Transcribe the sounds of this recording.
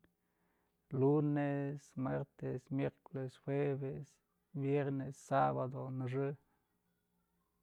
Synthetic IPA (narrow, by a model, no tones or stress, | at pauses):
lunesmeɾt̪esmjeɾkolesxwebes | bjeɾnesːabad̪onaʐɨ